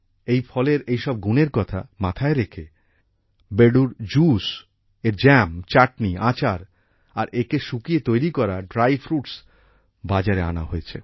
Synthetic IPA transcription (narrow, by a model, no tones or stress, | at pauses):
ejfʰɔleɾejʃɔb̚ɡuneɾkɔt̪ʰa̰mat̪ʰaeɾekʰe | beɖuɾd͡ʑus | eɾd͡ʑɛmt͡ɕaʈniat͡ɕaɾ | aɾʔekeʃukiet̪ojɾikɔɾaɖɾajfɾuʈs | bad͡ʑaɾea̰na̰ɦoet͡ɕʰe